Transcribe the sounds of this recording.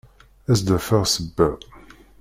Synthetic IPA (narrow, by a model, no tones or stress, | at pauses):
æzd̪əfəʁsəbːæ